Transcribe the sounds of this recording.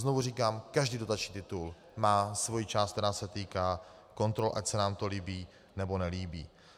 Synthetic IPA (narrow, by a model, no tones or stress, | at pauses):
zno̞vuriːkaːmkaʒdiːdo̞t̪at͡ʃɲiːt̪ɪt̪ul | maːsvo̞jit͡ʃaːst̪̚t̪ɛɾaːsɛt̪iːkaː | ko̞nt̪ɾo̞lʔacsɛnaːmt̪o̞liːbiː | nɛbo̞nɛliːbiː